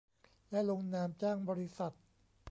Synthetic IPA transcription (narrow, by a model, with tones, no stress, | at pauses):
lɛ˦˥lo˧ŋnaː˧mt͡ɕaː˥˩ŋbɔː˧ɾi˦˥sa˨˩t̪̚